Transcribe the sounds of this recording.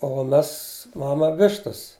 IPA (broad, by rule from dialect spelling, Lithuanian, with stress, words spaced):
oː ˈmʲɛs ˈmɑːmɐ ˈʋʲɪʃtɐs